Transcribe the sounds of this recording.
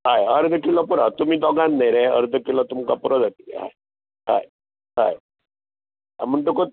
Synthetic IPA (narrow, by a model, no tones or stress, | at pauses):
ɦajəɾd̪əkilɔpuɾɔt̪umid̪ɔɡanːejɾɛəɾd̪əkilɔt̪umkapuɾɔd̪əkʰḭɦa̰j | ɦa̰j | ɦa̰j | a̰m̤əɳʈuko